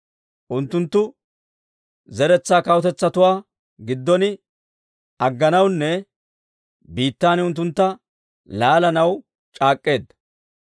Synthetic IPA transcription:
ʔʊnt̪ːʊnt̪ːʊ | zɛɾɛt͡sːaːkɐwɔt̪ɛt͡sːɐt̪ʊwaː | ɡɪd̪ːɔnɪ | ɐɡːɐnɐwnːɛ | biːt̪ːaːnʊnt̪ːʊnt̪ːɐ | laːlɐnɐw | t͡ʃʼaːkʼːe̞ːd̪ːɐ

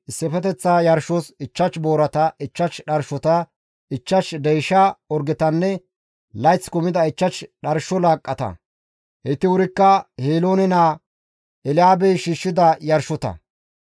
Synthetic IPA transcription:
ɪsːɛfɛt̪ɛt͡sːaːjɐɾʃːosɪt͡ʃːɐt͡ʃːbo̞ːɾɐt̪ɐʔɪt͡ʃːɐt͡ʃɗɐɾʃɔt̪ɐ | ɪt͡ʃːɐʃd̪ɛjʃaːɔɾɡɛt̪ɐnːɛ | lɐjt͡sːkʊmɪd̪ɐɪt͡ʃːɐt͡ʃɗɐɾʃɔlaːkʼːɐt̪ɐ̰ | hɛt̪ɪwʊɾɪkːɐheːloːnɛnaː | ɛlɪaːbɛjʃiːʃːɪd̪ɐjɐɾʃɔt̪ɐ̰

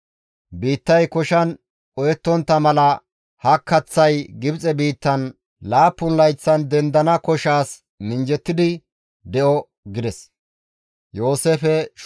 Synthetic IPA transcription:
biːt̪ːɐjkɔʃɐn | ʔɔjɛt̪ːɔnt̪ːɐmɐlɐ | hɐkːɐt͡sːɐjɡɪbt͡sʼɛbiːt̪ːɐn | laːpːʊnlɐjt͡sːɐnd̪ɛnd̪ɐnɐkɔʃaːs | mɪnd͡ʒɛt̪ːɪd̪ɪ | d̪ɛʔɔ | ɡɪd̪ɛs | jo̞ːseːfɛʃ

